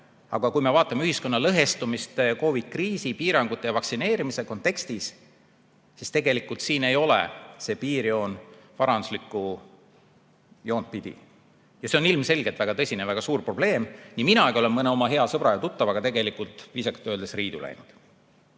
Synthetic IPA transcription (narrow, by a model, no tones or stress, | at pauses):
ɑ̰ɡ̥ɑkujmevɑːt̪ːˑɑmeyhisko̞nːɑlɤɦe̞st̪umist̪ko̞vid̪̥̚kriːsipiːɾɑŋɡ̥ut̪ːˑejɑvɑksine̞ːɾimise̞ko̞nt̪ːˑe̞kst̪isː | ist̪e̞ɡe̞likˑult̪siːne̞jo̞lḛse̞piːɾjo̞ːnvɑɾɑnd̪u̥slikˑːu | jo̞ːnt̪̚pid̪̥ḭ | jɑseo̞nilmse̞lɡ̥et̪væɡ̥ɑt̪ɤsʲinevæɡ̥ɑsuːrpro̞b̥le̞ːmniminɑɡio̞le̞nmɤneo̞mɑɦe̞ɑsɤb̥ɾɑjɑt̪ut̪ːɑvɑɡ̥ɑt̪e̞ɡe̞likult̪ˑvisɑkt̪ːˑøld̪̥esriːd̪ṵlʔæ̰jnud̪̥